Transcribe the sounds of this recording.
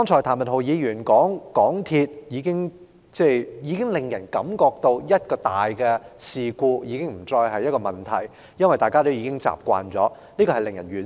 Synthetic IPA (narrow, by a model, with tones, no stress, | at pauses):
ɔ˥ŋt͡sʰɔː˨˩jt̪ʰaː˨˩mɐ˨t̚ɦo˨˩wjiː˨˧jyː˨˩nkɔː˨˥ŋkɔː˨˥ŋt̪ʰiː˧t̚jiː˨˧kɪ˥ŋ | t͡sɛː˥˧˩jiː˨˧kɪ˥ŋlɪ˨˩ŋjɐ˨˩nkɐ˨˧˥mkɔː˧k̚t̪o˧wjɐ˥t̚kɔː˧t̪aː˨˩jkɛ˧siː˨kuː˧jiː˨˧kɪ˥ŋm̩˨˩t͡sɔː˧jɦɐ˨jːɐ˥kɔː˧mɐ˨nt̪ʰɐ̰˨˩j | jɐ˥nwɐ˨jt̪aː˨jkaː˥t̪o˥wjiː˧˥kɪ˥ŋt͡sa̰ː˨˩p̚kʷa̰ː˨˧nt͡sɔ̰ː˨˦˥ | liː˥kɔː˧hɐ˨jlɪ˨ŋjɐ˨˩nɥyː˨˩